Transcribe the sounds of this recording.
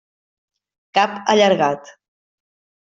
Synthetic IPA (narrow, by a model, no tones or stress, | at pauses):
kapə̰ʎəɾɣat̪